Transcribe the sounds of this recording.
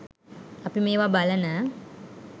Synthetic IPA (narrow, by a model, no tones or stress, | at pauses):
apimeːʋabalənə